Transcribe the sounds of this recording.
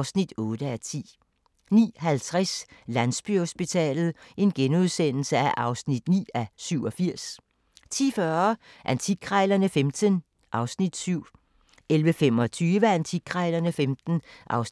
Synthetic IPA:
snid̥ɔ̽ːd̥əæt͡sʰḭː | nḭːɦælt͡sʰʁɛslænsb̥yho̝sb̥it͡sʰɛ̰ːlð̩ˠʔe̝nɡ̥enuð̞ˠsen̰l̩səæʔɑ̈ʊsnid̥nḭːæsyʊ̰ɒ̽fiɐ̰s | t͡sʰḭːfɶɐɐ | ʔænt͡sʰiɡ̥ʰʁɑɪlɐnəfemd̥ən | ʔɑ̈ʊsnid̥syʊ̰ | elʋəfem̰ɒ̽t͡sʰyːʋəænt͡sʰiɡ̥ʰʁɑɪlɐnəfemd̥n̩ʔɑʊs

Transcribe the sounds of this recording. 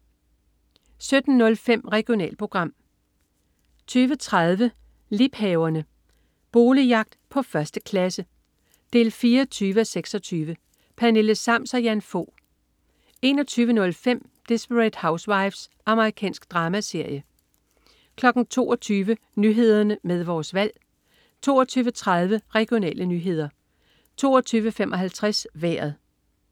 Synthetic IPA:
sød̥n̩ːɔ̽lfem̰ʁɛɡ̥jo̝nɛ̰ːl̚pʰʁo̝ɡ̥ʁɑ̈m̰ | t͡sʰyːʋət͡sʰʁað̞ˠʋə | lib̥hɛʊɐnə | b̥o̝ːlijɑ̈ɡ̥̚d̥pʰɒ̽fɶɐsd̥əkʰlæsə | d̥e̝̰ːlfiːɐɒt͡sʰyːʋəɒseɡ̥sɒ̽t͡sʰyːʋə | pʰæne̝ləsɑ̈m̰sɒjænfo̰ː | e̝ːnɒ̽t͡sʰyːʋənɔ̽lfem̰ | d̥esb̥əʁɛd̥hɑ̈ʊsʋɑ̈ɪʋsʔɑ̈məʁikʰɛ̰ːnsɡ̥̚d̥ʁɑ̈ːmæse̝ɐ̰jə | kʰlɒ̽ɡ̥n̩t͡sʰo̝̰ːɒt͡sʰyːʋə | nyɦe̝ð̞̰ˠɐnəmeð̞ˠʋɒːsʋæl̰ | t͡sʰo̝̰ːɒt͡sʰyːʋət͡sʰʁað̞ˠʋəʁɛɡ̥jo̝nɛ̰ːlʔənyɦe̝ð̞̰ˠɐ | t͡sʰo̝̰ːɒt͡sʰyːʋəfemʔɒ̽ɦælt͡sʰʁasʋæɐð̩ˠ

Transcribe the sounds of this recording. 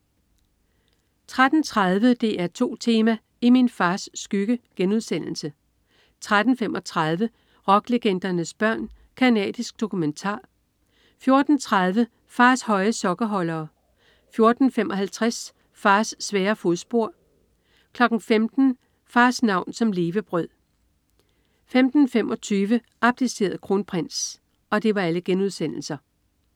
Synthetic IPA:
t͡sʰʁad̥n̩t͡sʰʁað̞ˠʋəd̥e̝ʔæɐt͡sʰo̝̰ːt͡sʰe̝ːmæ | iminfɑ̈ːsːɡ̥yɡ̥əɡ̥enuð̞ˠsen̰l̩sə | t͡sʰʁad̥n̩femʔɒ̽t͡sʰʁɑð̞ˠʋə | ʁɒ̽ɡ̥leɡ̥en̰d̥ɐnəsb̥ɶɐ̰n | kʰænɛ̰ːd̥isɡ̥̚d̥o̝kument͡sʰɑ̰̈ː | fjo̝ɐd̥n̩t͡sʰʁað̞ˠʋə | fɑ̈ːshɒ̽ɪəsɒ̽ɡ̥ɐɦɒ̽lɐː | fjo̝ɐd̥n̩femʔɒ̽hælt͡sʰʁas | fɑ̈ːsːʋɛːɐfoðˠsb̥o̝ɐ̰ | kʰlɒ̽ɡ̥n̩femd̥n̩ | fɑ̈ːsnɑ̈ʊ̰nsɒ̽mle̝ːʋəb̥ʁœð̰ˠ | femd̥n̩femɒ̽t͡sʰyːʋə | ʔɑ̈b̥̚d̥ise̝̰ːɐð̩ˠkʰʁo̝ːnpʰʁen̰s | ɒ̽d̥e̝ʋɑ̈æləɡ̥enuð̞ˠsen̰l̩sɐ

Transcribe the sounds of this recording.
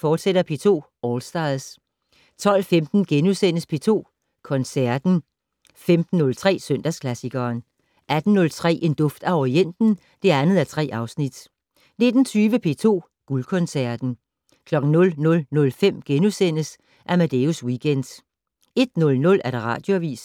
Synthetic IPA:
fɒːd̥seɾ̥ɐpʰe̝ːt͡sʰo̝̰ː | ɒːlsd̥ɑ̈ðˠs | t͡sʰɒ̽l̰femd̥n̩ɡ̥enusen̰əspʰe̝ːt͡sʰo̝̰ː | kʰɒ̽nsæɐd̥n̩ | femd̥n̩ːɔ̽lt͡sʰʁɛ̰ːsøn̰d̥æskʰlæsiɡ̥ɐːn | ʔæd̥n̩nɔ̽lt͡sʰʁɛ̰ːʔe̝nd̥ɔ̽fd̥æɒien̰d̥n̩ | d̥e̝ænð̞̩ˠæt͡sʰʁɛ̰ːʔɑ̈ʊsnid̥ | ne̝d̥n̩t͡sʰyːʋəpʰe̝̰ːt͡sʰo̝̰ː | ɡ̥ulkʰɔ̽nsæɐd̥n̩ | kʰlɒ̽ɡ̥n̩nɔ̽lnɔ̽lnɔ̽lfem̰ɡ̥enusen̰əs | ʔæɐmæd̥e̝uswiɡ̥ʰend̥ | e̝d̥̚nɔ̽lnɔ̽læɐɾ̥eʁɑ̰̈ːd̥jo̝æʋḭːs

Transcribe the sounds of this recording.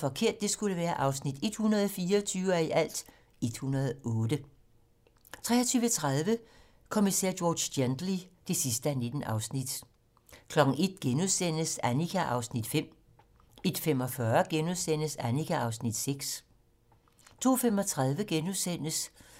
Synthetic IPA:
fɒ̽kʰe̝ɐ̰d̥ːe̝sɡ̥uləʋæːɐʔɑ̈ʊsnid̥e̝d̥hunɐð̞ˠfiːɐɒt͡sʰyːʊæiʔæl̰d̥ | e̝d̥hunɐð̞ˠɔːdə | t͡sʰʁɛ̰ːɐt͡sʰyːʋət͡sʰʁað̞ˠʋə | kʰomisɛ̰ɐ̰joːd̥send̥lid̥e̝sisd̥əæne̝d̥n̩ʔɑ̈ʊsnid̥ | kʰlɒ̽ɡ̥n̩e̝d̥̚ɡ̥enuðˠsen̰əsænikʰæʔɑ̈ʊsnid̥fem̰ | e̝d̥femɒ̽fɶɐɡ̥enuðˠsen̰əsænikʰæʔɑ̈ʊsnid̥seɡ̥s | t͡sʰo̝̰ːfem̰ɒ̽t͡sʰʁað̞ˠʋəɡ̥enuðˠsen̰əs

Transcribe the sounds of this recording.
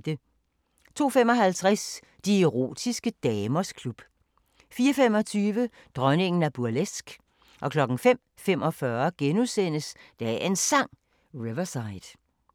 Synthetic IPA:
d̥ə | t͡sʰo̝̰ːfem̰ɒ̽ɦælt͡sʰʁas | d̥ieʁo̝̰ːd̥isɡ̥əd̥ɛːmɐskʰlub̥ | fiːɐfem̰ɒ̽t͡sʰyːʋə | d̥ʁɶne̝ŋn̩æɐb̥uɐlesɡ̥ | ʔɒ̽kʰlɒ̽ɡ̥ŋ̩fem̰ | fem̰ɒ̽fɶɐɡ̥enusen̰əsd̥ææe̝nsɑ̈ŋ̰ | ʁiʋɐsɑ̈ɪd̥

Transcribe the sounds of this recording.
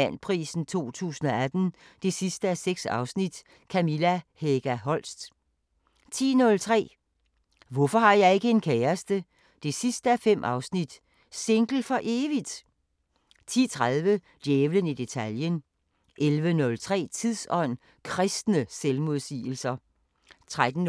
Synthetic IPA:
æn̰pʰʁḭːsn̩t͡sʰo̝̰ːt͡sʰṵːsn̩ɒæd̥n̩d̥e̝sisd̥əæseɡ̥sɑ̈ʊsnid̥ | kʰæmilæheɡ̥æɦɒ̽l̰sd̥ | t͡sʰḭːnɔ̽lt͡sʰʁɛ̰ː | ʋɔfɒ̽hɑ̈jɑ̈ɪe̝ɡ̥əe̝nkʰeːɐsd̥ə | d̥e̝sisd̥əæfem̰ʔɑ̈ʊsnid̥ | se̝ŋɡ̥l̩fɒ̽ʔe̝ːʋid̥ | t͡sʰḭːt͡sʰʁaðˠʋə | d̥jeːʋlənid̥e̝t͡sʰæljən | ʔelʋənɔ̽lt͡sʰʁɛ̰ːt͡sʰiðˠsɒ̽n̰ | kʰʁɛsd̥nəselmoð̞ˠsḭːl̩sɐ | t͡sʰʁad̥n̩

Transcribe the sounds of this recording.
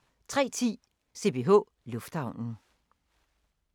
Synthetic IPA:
t͡sʰʁɛ̰ːt͡sʰḭː | se̝̰b̥ʰe̝ɦɔ̰ː | lɔfd̥hɑ̈ʊ̰nn̩

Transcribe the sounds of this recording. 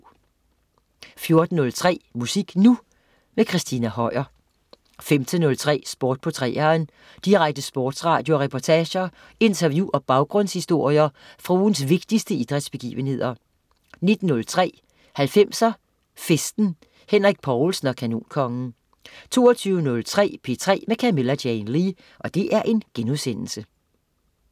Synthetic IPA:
fjo̝ɐd̥n̩ːɔ̽lt͡sʰʁɛ̰ːmusiɡ̥nu | mekʰʁisd̥inæhɒ̽ɪ̰ɐ | femt͡sʰənːɔ̽lt͡sʰʁɛ̰ːsb̥oːd̥̚pʰot͡sʰʁɛ̰ːɐːn | d̥iʁaɡ̥̚d̥əsb̥ɔːd̥sʁɑ̈ːd̥jo̝ɒʁɛpʰɒt͡sʰɛːɕɐ | e̝nt͡sʰɐʋjuʔɒ̽b̥ɑ̈ʊɡ̥ʁɔ̽n̰shisd̥o̝ɐ̰jɐfʁuːnsʋe̝ɡ̥̚d̥isd̥əid̥ʁɛd̥sb̥e̝ɡ̥ḭːʋənhe̝ð̞̰ˠɐ | ne̝d̥n̩ːɔ̽lt͡sʰʁɛ̰ː | hælfem̰sɐ | fesd̥n̩ | henʁiɡ̥̚pʰɒʊlsn̩ɒ̽kʰænṵːnkʰɒ̽ŋn̩ | t͡sʰo̝̰ːɒt͡sʰyːʊənɔ̽lt͡sʰʁɛ̰ːpʰe̝t͡sʰʁɛ̰ːmekʰæme̝læd̥jɛɪnʁi | ʔɒ̽d̥e̝ʔæɐʔe̝nɡ̥enuðˠsen̰l̩sə

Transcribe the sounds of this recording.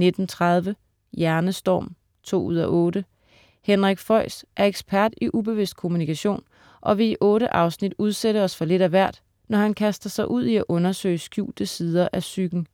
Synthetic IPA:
ne̝d̥n̩t͡sʰʁɑð̞ˠʋə | jæɐnəsd̥ɒ̰ːm | t͡sʰo̝̰ːuð̞̰ˠɐʔɔ̽ːɾə | henʁaɡ̥fɒɪ̰sʔæɐeɡ̥spʰæɐd̥iʔub̥e̝ʋe̝sd̥̚kʰo̝munikʰæɕo̝̰ːn | ʔɒ̽ʋe̝iʔɔ̽ːɾəʔɑ̈ʊsnid̥uð̞ˠseɾəɒ̽sfɒ̽le̝ɾ̥æʋæɐ̰d̥ | nɒhænkʰæsd̥ɐsɑ̈ɪʔuð̞̰ˠiæʔɔ̽nɐsø̰ɪsɡ̥jṵːd̥əsið̞ˠɐʔæsyɡ̥n̩

